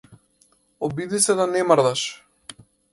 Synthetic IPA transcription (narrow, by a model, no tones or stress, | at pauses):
ɔbid̪isɛd̪anɛmaɾd̪aʃ